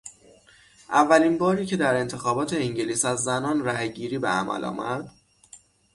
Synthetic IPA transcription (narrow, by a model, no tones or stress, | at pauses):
ʔævːæliːnbɒːɾiːcʰe̞d̪æɾe̞nt̪ʰe̞xɒːbɒːt̪ʰe̞iŋɟeliːsæzːænɒːnɾæɦeɟiːɾiːbḛæ̰mæ̰lʔɒ̰ːmʔæ̰ɾd̪̥